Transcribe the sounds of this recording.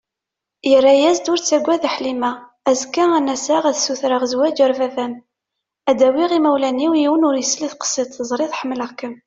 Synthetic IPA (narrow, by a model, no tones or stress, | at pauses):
jərːæjæzd̪ʊɾt͡sːæɡʷːæðəħlimæ | æzkːaænæsaʁæðsuθɾəʁzwæd͡ʒəɾvævæn | æd̪æwiʁimæwlæniwjiwənʊɾjəsliθqə̥sət̪θəzˤɾˤiðˤħəmːləʁkəm